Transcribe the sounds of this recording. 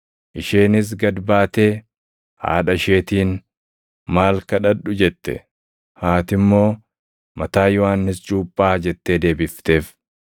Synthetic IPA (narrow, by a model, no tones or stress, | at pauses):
ʔɪʃeːnɪs̬ɡɐd̪baːt̪e̞ː | ha̰ːᶑɐɪʃe̞ːt̪iːn | maːlkɐᶑɐᶑːʊd͡ʒɛt̪ːɛ̰ | haːt̪ɪmːo̞ː | mɐt̪aːjɔwaːnːɪst͡ʃʼuːpʼːaːd͡ʒɛt̪ːe̞ːd̪e̞ːbɪft̪e̞ːf